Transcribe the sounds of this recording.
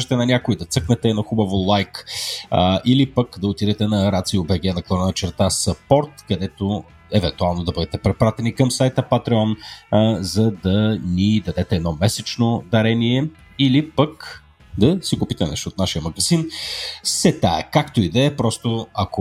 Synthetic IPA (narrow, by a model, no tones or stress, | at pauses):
ʒɛt̪ɛnɐnʲakʊid̪ɐt̪sɤknɛt̪ɛnɐxubɐvolˠajk | ʔilipəkd̪ɐot̪id̪ɛt̪ɛnɐɾat̪siobɛɡɛnɐklˠɔnənɐt͡ʃɛɾt̪asəpɔɾt̪kɐd̪ɛt̪o | ɛvɛnt̪ualˠnod̪ɐbɤd̪ɛt̪ɛpɾɛpɾat̪ɛnikɐmsajt̪əpɐt̪ɾɛɔn | zɐd̪ɐnid̪ɐd̪ɛt̪ɛːd̪nɔmɛsɛt͡ʃnod̪ɐɾɛniɛ | ilipɐk | d̪ɐsikupit̪ɛnɛ̰ʃt̪oːt̪naʃijəmɐɡɐzinsɛt̪aɛkakt̪oid̪ɛːpɾɔst̪oɐko